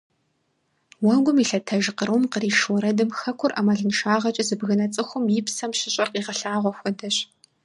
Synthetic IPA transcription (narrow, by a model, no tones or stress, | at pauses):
wɐɡʷʊmiːɬɐtʰɐʒqəɾwmqəriːʃwɔɾɐdɨmxɐkʷʰʊrʔɐmɐɮɨnʃaːʁɐt͡ʃʼɐzɨbɣɨnɐt͡sʼɨxʷʊmjɪpsɐmʃɪɕʼɐrqiːʁɐɬaːʁʷɔxʷɔdɐɕ